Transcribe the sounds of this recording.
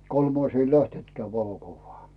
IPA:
kolmɑis ei læhtentkeæ ʋɑlokuʋːɑː

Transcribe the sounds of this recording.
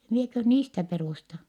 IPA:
miekøh niːstæ peruˑstɑ

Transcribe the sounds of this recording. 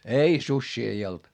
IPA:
ei susʲːiː ei old̥

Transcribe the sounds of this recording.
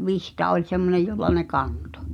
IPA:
ʋihtɑ olʲ semːonej jolːɑ ne kɑnto̥

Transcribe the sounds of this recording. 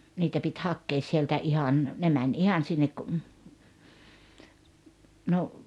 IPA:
niːtæ pit hɑkːeːs sieltæ ihɑn ne mænʲ ihɑn sinːek kŭ no

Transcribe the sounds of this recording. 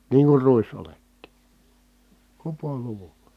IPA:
niːŋ kur ruisoletːi kupoluʋu̥l̥ɑ̥

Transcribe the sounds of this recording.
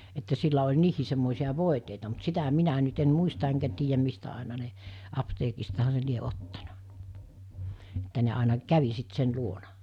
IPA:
etːæ silːæ olʲ niːhiˑ semːoˑisiɑ ʋoˑiteitɑ mut sitæ minæ nyt en muistɑ eŋkæ tiːjæm mistæ ɑˑenɑ ne ɑpteːkistɑhɑ se lie otːɑnɑ etːæ ne ɑˑinɑ kæʋi sit sen luonɑ

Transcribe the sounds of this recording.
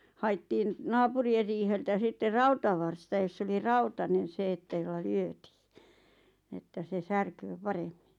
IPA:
hɑi̞tːiːn nɑːpurier riːheltæ sitːer rɑutɑʋɑrstɑ josː oli rɑutɑnen̞ se etːæ jolːɑ lyøtiː etːæ se særkøː pɑremːi̥n̥

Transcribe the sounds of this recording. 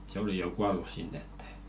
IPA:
se oli kuɑlu sinːĕ e̥tː e̥i̥

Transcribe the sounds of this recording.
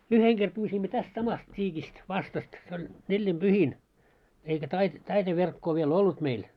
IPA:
yheŋ ɡ̊er pyːsimːø tæst sɑmɑst tʲiːkist ʋɑstɑst se olʲ nelːimb̥yhin eikæ tɑit tɑite ʋerkːoː ʋiel olːut meil

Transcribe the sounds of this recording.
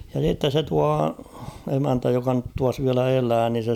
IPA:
jɑ s̞itːe se tuɑ emæntæ jokɑ nyt tuɑs ʋiælæ elæː ni se

